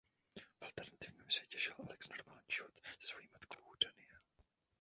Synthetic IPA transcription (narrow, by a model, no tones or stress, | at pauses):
ʔalt̪ɛɾnat̪ɪvɲɛmr̝̥ɛcɛʒɛlʔalɛksno̞ɾmaːlɲiːʒɪvot̪sɛ̥svojiːmat̪kʰowdanɪa